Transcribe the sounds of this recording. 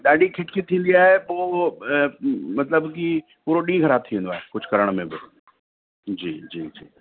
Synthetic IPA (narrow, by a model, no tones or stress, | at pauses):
ɗaːɗikʰɪʈkit̪ʰĩːn̆d̪iaːɦepoː | mɐt̪ləbki | puːɾoɗĩːɡʱɐɾat̪ʰːĩːnd̪oaːɦekʊd͡ʑʱkɐɾəɽ̃mẽbɪ | d͡ʑiːd͡ʑiːd͡ʑḭː